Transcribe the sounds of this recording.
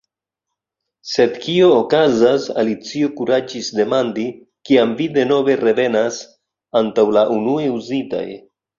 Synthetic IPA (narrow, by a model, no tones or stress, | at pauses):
se̞d̪kio̞ːkazasa̰lit͡siokuɾad͡ʒisde̞mandi | kiamvide̞no̞ve̞re̞ve̞nas | antawlaʔunueuzita̰j